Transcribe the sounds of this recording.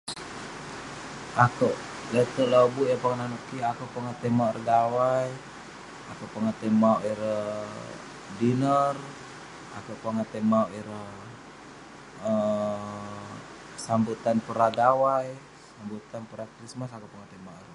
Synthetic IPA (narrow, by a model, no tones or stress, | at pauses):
akuʔlət̪əlobuʔjapaŋananuʔkiakuʔpəŋat̪emaʔərɡawaj | akupaŋət̪əmauʔiɾəh | dinər | a̰kuʔpaŋat̪emawʔiɾəh | ə | sambut̪anpəɾaɡawaj | sambut̪anpəɾakɾismasakupaŋat̪emaʔr